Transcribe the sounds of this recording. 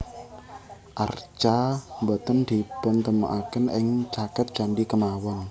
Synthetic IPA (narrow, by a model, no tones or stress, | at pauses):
ʔart͡ʃambɔt̪ənd̪̥ibənt̪əmaʔakənɪŋt͡ʃakət̪̚d͡ʒ̥anɖikəmawɔn